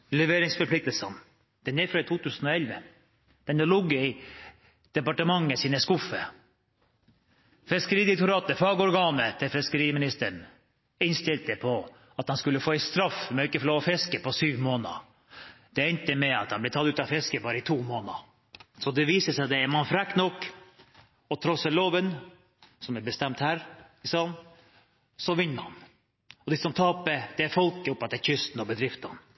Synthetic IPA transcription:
lɛʋeːɾɪŋsfɔɾpʰlɪk̚t̪əlsən | d̪̥ɛnɛfɾɔɪt̪ʰuːt̪ʰʉːsən̩ɔɛlʋə | d̪̥ɛnd̪ɛlʊɡːəɪ | d̪̥ɛpɑʈəmɑŋːəsiːnəskʊfːə | fɛskəɾiːd̪ɛkt̪ʊɾɑːt̪əfɑːɡəɔɾɡɑːnət̪ʰɪfɛɪskəɾiːəmɪnɪst̪əɳ | ɪnst̪ɪlt̪əpʰɔ | ɑt̪hɑnskʉlːəfoːɪst̪ɾɑfmɛɔɪkːəfloːʋɔfɛskəpɔsyːʋmoːnə̰ | d̪̥ɛɛnt̪əmɛɑ̰t̪hɑnblɛɪt̪ʰɑt̪ʉːt̪ɑfɪskəbɑːɾəɪt̪ʰuːmoːnɑ̰ | sɔd̪ɛʋiːsəsɛd̪ɛɛmɑnfɾækt̪nɔkː | ɔt̪ʰɾɔsəloːʋən | sɔmɛbəst̪ɛmt̪hæːɾ | sɑn | sɔʋɪnːəɑn | ɔd̪ɪsɔmt̪ʰɑːpəd̪̥ɛfɔlkəʊpːɑt̪ːɛçʏst̪n̩ɔbəd̪ɾɪft̪ɑn

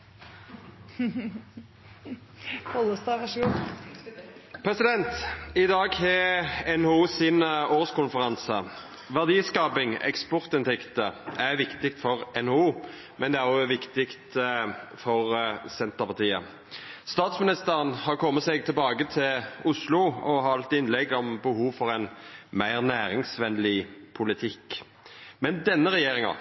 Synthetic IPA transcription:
ɔləst̪ɑɑʃ | pʰʁɛsɪd̪ɛnt̪ɪd̪ɑːɡhɛɛnhuːsɪnoːʁəskʊnfəʁɑnsə | ʋæʁd̪iːskɑːpɪŋɛ̰kspɔʁt̪ɪnt̪ʰɛkt̪əæʁʋɪkt̪ɪk̚t̪fɔʁɛnouː | mɛnd̪ɛæʁɔʋɪkt̪ɪkt̪ | fɔʁsɛnt̪əpɑt̪iːə | st̪ɑːt̪smɪnɪst̪əʁənhɑʁkʰɔmːət̪seːɡ̚t̪ʰɪlbɑːɡət̪ʰɪlʊslʊɔɦɑɑlt̪ɪnlɛɡɔmbəhuːʋfɔʁɛnmæɪʁnæːɾɪŋsʋɛnlɪpʰʊlɪt̪ʰɪk | mɛnd̪ɛnːəʁɛjeːʁɪŋɑ̰

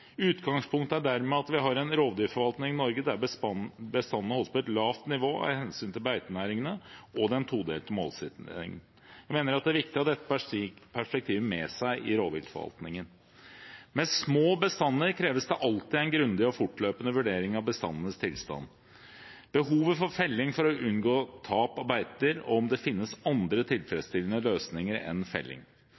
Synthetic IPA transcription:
ʉːt̪ɡɑŋspʰʊŋkt̪əæɖæɾmɛɑt̪ʋɪɦɑɾɛnɾoːʋd̪ʏːfɔɾʋɑlt̪nɪŋɪnɔɾɡəd̪æ | bəst̪ɑnːənəhɔlspɔɛt̪lɑːft̪nɪʋoːæ̰hɛnsyːnt̪ʰɪlbæɪt̪ənæːɾɪŋənəʔɔd̪ɛnt̪ʰuːd̪ḛːlt̪əmoːlst̪ːɪ̰ŋn | jæɪmeːnəɾɑt̪d̪ɛæɾʋɪk̚t̪ɪɑt̪d̪ɛt̪ːə̥pʰæʂpɛk̚t̪ʰiːʋəmɛsæɪʔɪɾoːʋ̪ɪ̰lfɔ̰ʋɑ̰lt̪nɪŋən | mɛsmoːbəst̪ɑnːəɾkʰɾeːʋəsd̪ɛʔɑlt̪ɪæɪnɡɾʉnd̪ɪɔfʊʈløːpənəʋʉɖeːɾɪŋɑʋbəst̪ɑ̰nːənəst̪ʰɪlst̪ɑ̰nː | b̥əɦuːʋəfɔɾfɛlːɪŋfɔɾɔʉnɡoːt̪ʰɑːpɑɾbæɪt̪əɾɔɔmd̪ɛfɪnːəsɑnd̪ɾət̪ʰɪlfɾɛd̪st̪ɪlənəløːsnɪŋəɾɛ̰nfɛ̰lːɪ̰ŋ

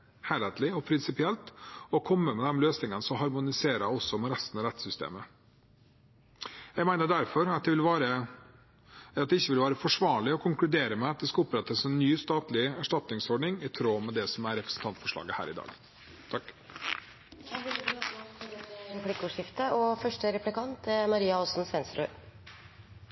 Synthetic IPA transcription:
hæɾɛt̪lɪɔpʰɾɪnsɪpɪɛlt̪ɔkʰɔmːəmɛd̪ɛmløːsnɪŋənsɔɦɑɾmʊnɪseːɾəɔsːɔmɛɾɛst̪ən̩ɑɾɛt̪sʏst̪ḛːmə | jɛɡmæɪnəɖæɾfɔɾɑt̪̚d̪ɛʋɪlʋɑːɾə | ɑt̪̚d̪ɛɪçːəʋɪlʋɑːɾəfɔʂʋɑːɭɪɔkʰʊŋklʉd̪eːɾəmɛɑt̪̚d̪ɛskɑʊpɾɛt̪ːəsɛnːyːst̪ɑːt̪lɪæʂʈɑt̪nɪŋsɔɖɳɪŋɪt̪ʰɾoːmɛd̪ɛsɔmæɾɾɛpɾə̥sn̩t̪ʰɑnt̪fɔʂɭɑ̰ːɡəhæ̰ːɾɪd̪ɑ̰ːɡ | t̪ʰɑkː | ɾɛplɪkːʊːʂɪft̪əɔfœʂʈəɾɛplɪkɑnt̪mɑɾiːɑɔsn̩sʋɛnsɾʉ

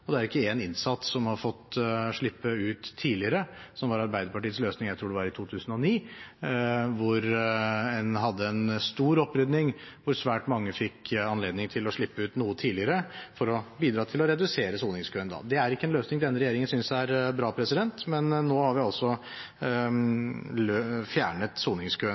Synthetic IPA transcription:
ɔd̪ɛæɾɪkːəɛnɪnsɑt̪ssɔmhɑɾfɔt̪ːʂɭɪpːəʉːt̪ʰːiːlɪəɾəsɔmʋɑɾɑɾbæɪd̪əɾpɑʈiːət̪sløːsnɪŋjæɪt̪ʰɾuːɖɛʋɑɾɪt̪ʰuːt̪ʰʉːsən̩ɔniː | ʋʊɾɛnɦɑd̪ːəɛnst̪uːɾɔpːɾʏd̪nɪŋʋʊɾsʋæːʈmɑŋːəfɪkːɑnleːd̪nɪŋt̪ʰɪlɔʂɭɪpːəʉːt̪nuːət̪ʰiːlɪəɾəfɔɾɔbiːd̪ɾɑːt̪ʰɪlɔɾɛd̪ʉseːɾəsuːlnɪŋskʰøːnd̪ɑ̰ːd̪ɛæɾɪkːəɛnløːsnɪŋd̪ɛnːəɾɛjeːɾɪŋənsʏnsæɾbɾɑːpʰɾɛsɪd̪ɛnt̪mɛnːoːhɑɾʋɪɑlsɔ | løfjæːɳət̪suːnɪŋskʰøːə

